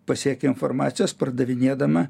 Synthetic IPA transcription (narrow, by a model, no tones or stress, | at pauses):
pɐsʲiɛkʲɛɪnfɔɾmɑːt̪sʲɪjoːspɐɾd̪ɐʋʲɪnʲeɛd̪ɐmɐ